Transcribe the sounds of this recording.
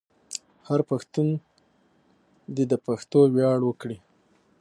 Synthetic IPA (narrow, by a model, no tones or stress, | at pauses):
haɾpaxt̪un | d̪ed̪əpaxt̪owjɑɽwəkɽi